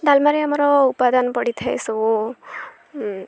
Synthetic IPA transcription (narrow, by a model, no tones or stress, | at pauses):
dalmaɾeamɔɾɔupad̪anpɔɽit̪ʰajsu